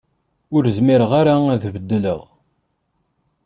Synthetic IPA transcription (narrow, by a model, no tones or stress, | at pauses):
ʊɾəzmiɾəʁaɾaæðvəd̪ːələ̰ʁ